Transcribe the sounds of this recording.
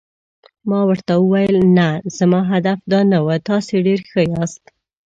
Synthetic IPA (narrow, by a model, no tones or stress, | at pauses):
mɑwəɾt̪awəwajəlnaz̥amɑɦad̪afd̪ɑnawət̪ɑseɖeɾxəjɑst̪